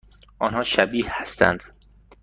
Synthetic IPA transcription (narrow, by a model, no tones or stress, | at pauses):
ʔɒːnhɒːʃæbiːhhæst̪ʰæ̰nd̪̥